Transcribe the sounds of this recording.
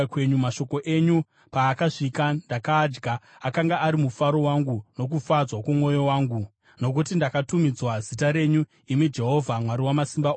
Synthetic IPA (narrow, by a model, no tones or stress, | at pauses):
kwe̞ɲumaʃo̞ko̞ʔe̞ɲu | paːkaʐikandakaːd͡ʒɡʱaːkaŋɡaʔːɾimufaɾo̞waŋɡuno̞k̬ufad͡zwakumwo̞jo̞waːŋɡu | no̞k̬utindakatumid͡zwazitaɾe̞ːɲu | imid͡ʒe̞ɦo̞vʱamwaɾiwamasimba